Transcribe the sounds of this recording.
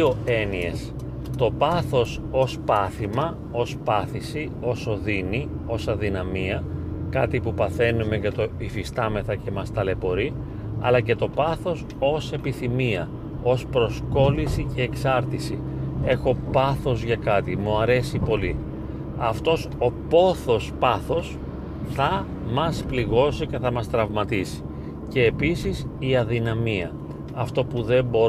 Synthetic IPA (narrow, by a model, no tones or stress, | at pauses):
oe̞nie̞̰s | t̪o̞pɐθo̞s | o̞spɐθimɐ | o̞spɐθisi | o̞so̞ðini | o̞sɐðinɐmiɐkɐt̪ipupɐθe̞nume̞ʝɐt̪o̞ifist̪ɐme̞θɐce̞mɐst̪ɐle̞po̞ɾi | ɐ̰lɐce̞t̪o̞pɐθo̞s | o̞se̞piθimiɐ | o̞spɾo̞sko̞lisice̞ːksɐɾt̪isi | e̞xo̞pɐθo̞zʝɐkɐt̪imuɐɾe̞sipo̞li | ɐft̪o̞so̞po̞θo̞spɐθo̞s | θɐ | mɐspliɣo̞sice̞θɐmɐst̪ɾɐvmɐt̪isi̥ | ce̞ːpisisiɐðinɐmiɐ̰ | ɐft̪o̞puðe̞mbo̞